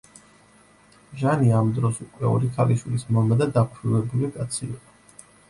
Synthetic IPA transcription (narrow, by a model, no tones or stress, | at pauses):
ʒaniamd̪ɾɔsukʼwɛ̰ɔ̰ɾikʰaliʃwilismɔmɛd̪ad̪akʰɾivɛbulikʼat̪sʰḭːqʼɔ